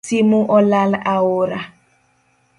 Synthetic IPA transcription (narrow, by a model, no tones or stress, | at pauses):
simuʔɔlalawoɾa